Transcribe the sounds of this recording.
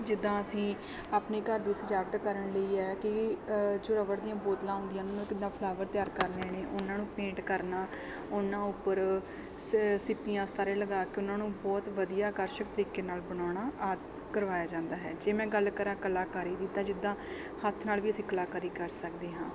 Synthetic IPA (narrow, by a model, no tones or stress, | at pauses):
d͡ʒɪd̪ːãːəsĩː | aːpneːkəɾd̪iːsəd͡ʒaːɾʈ̪kəɾəɳləiːɛːkɪd͡ʒoːɾəʋəɽd̪ijãːboːt̪lãːɦʊ̃nd̪ɪjãːnʊnãːkɪd̪ãːpʰlaːʋəɾt̪ɪjaːɾkəɾneːneːʔʊnãːnũːpẽːɳʈkəɾnaː | ʊnãːʊpːəɾ | sɪpijãːst̪aːɾẽːləɡaːkɪʊnãːnũːbɔːt̪ʋəd̪ijaːkəɾʃək̚t̪əɾiːkeːnaːlbəñaːɽ̃aːʔaːt̪ | kəɾʋaːjaːd͡ʒãːnd̪aːɦɛ̰ːd͡ʒeːmɛ̃ːɡəlkəɾaːkəlaːkaːɾiːd̪ɪt̪ːaːd͡ʒɪd̪ːãː | hət̪ʰnaːlʋiːəsĩːklaːkəɾiːkəɾsəkd̪eːɦãː